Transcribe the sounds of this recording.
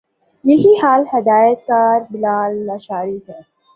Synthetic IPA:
jɐɦihaːlhɐd̪aːjət̪̚kaːɾbɪlaːlnaʃaːɾiɦɛː

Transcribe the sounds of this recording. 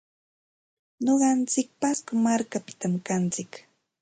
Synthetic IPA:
ɲoɢɑnt͡sɪk̚paskʊmaɾkapɪ̥t̪amkant͡sɪk

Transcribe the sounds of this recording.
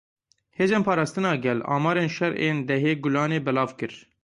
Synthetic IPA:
heːzeːnpʰɑːɾɑːst̪ɨnɑːɡɛlɑ̰ːmɑːɾeːnʃɛɾeːnd̪ɛɦeːɡʊlɑːneːbɛlɑːvkɨɾ

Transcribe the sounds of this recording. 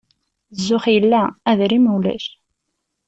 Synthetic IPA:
zːʊχjəlːææðɾimwlæ̰ç

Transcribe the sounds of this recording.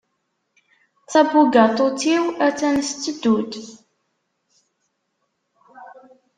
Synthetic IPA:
θæbuɡat̪ˤot͡siwæt͡sːænst͡s̪ːəd̪ud̪

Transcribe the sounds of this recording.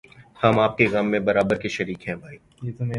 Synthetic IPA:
hɐmaːp̚keɣɐmːẽbɐɾaːbəɾkeʃɐɾiːkɦɛ̃ːbʱaːiː | je

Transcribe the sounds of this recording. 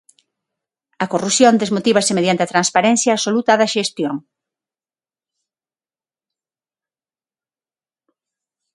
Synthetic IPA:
ɐkorusjond̪ezmot̪iβɐsɪmeðjant̪eɐt̪ɾanspaɾɛnθjaːsolut̪aðɐʃest̪joŋ

